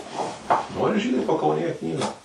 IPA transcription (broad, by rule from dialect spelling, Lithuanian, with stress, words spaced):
ˈnoːrʲɪ ˈʒʲiːdɐɪ pɐkɐʊnʲeːˈjɛ ˈknʲiːɡɑː